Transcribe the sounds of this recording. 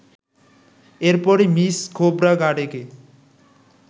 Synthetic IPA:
eɾpɔɾimiskʰobɾaɡaɖeke

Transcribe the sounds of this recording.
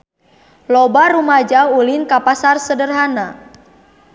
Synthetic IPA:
lɔbaɾumad͡ʒaulɪnkapasarsədərɦana

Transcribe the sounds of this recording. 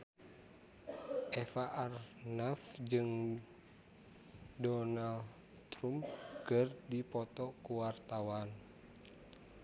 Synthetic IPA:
ʔɛfaʔarnafd͡ʒɨŋ | dɔnal | t̪ɾumkɨrdipɔt̪ɔkuwart̪awan

